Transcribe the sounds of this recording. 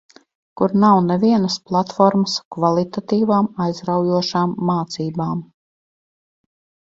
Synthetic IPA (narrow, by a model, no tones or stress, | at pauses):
kuɾnawnɛvʲiɛnəsplˠat̪fɔɾməskvalˠit̪at̪iːvaːmajzɾawjuɔʃaːmːaːt̪siːbaːm